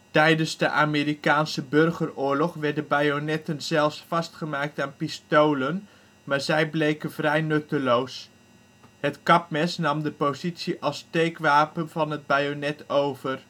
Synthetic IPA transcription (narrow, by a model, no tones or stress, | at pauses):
tɛjdənzdəʔaːmiːɾikaːnsəbɵrχərʊːɹlɔχʋɛɹdəbajonɛtənz̥ɛlˠfsfɑstχəmaːk̚taːnpistowlən | maːɹzɛjblejkənvrɛjnɵtəlows | hətkɑp̚mɛsnɑmdəpozitsiʔɑlˠstejkʋaːpənvɑnɦəd̚bajonɛtowvər